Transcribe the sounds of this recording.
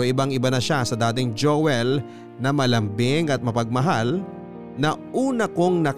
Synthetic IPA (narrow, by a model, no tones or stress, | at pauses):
oʔɪbaŋɪbanɐʃasɐd̪aːt̪̬ɪŋd͡ʒowɛl | nɐmɐlɐmbɪŋɐt̪̚mɐpɐɡ̚mɐɦal | nɐʔuːnɐko̞ŋnɐk